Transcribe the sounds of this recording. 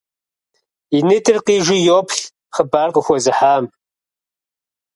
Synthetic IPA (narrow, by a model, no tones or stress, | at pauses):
inɨtʰɨrqiːʒʷɪjoːpʰɬ | χəbaːrqəxʷɔzɨħaːm